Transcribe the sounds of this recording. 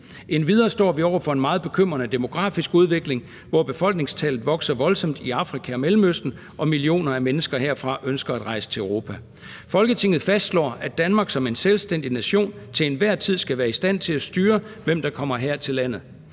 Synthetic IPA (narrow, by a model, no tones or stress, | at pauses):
ʔe̝nʋiðˠɐːsd̥ɒ̰ːʋiɒʊ̰ɐfɒ̽e̝nmɑ̈ːð̞̩ˠb̥e̝kʰøm̰ʁɐnəd̥e̝mo̝ɡ̥ʁɑ̈ːfisɡ̥uðˠʋe̝ɡ̥le̝ŋ | ʋɒb̥e̝fɒ̽l̰ɡ̥ne̝ŋst͡sʰɛlð̩ˠʋɒ̽ɡ̥sɐʋɒ̽lsɒ̽m̰d̥iɑ̈fʁikʰæɒ̽melm̩øsd̥n̩ | ʔɒ̽milio̝̰ːnɐæmenəsɡ̥ɐɦe̝ɐ̰fʁɑ̈ʔønsɡ̥ɐæd̥ʁɑ̈ɪsə̥t͡sʰe̝ʊʁo̝ːpʰæ | fɒ̽lɡ̥ət͡sʰe̝ŋð̩ˠfæsd̥slɒ̰ːæd̥ænmɑ̈ːɡ̥sɒ̽me̝nselsd̥en̰d̥inæɕo̝̰ːnt͡sʰe̝enʋæɐ̰t͡sʰið̞̰ˠsɡ̥æʋæːɐisd̥æn̰t͡sʰe̝læsd̥yːɐʋem̰d̥ɑ̈kʰɒ̽m̰ɐɦeɐt͡sʰe̝lːæn̰ð̞̩ˠ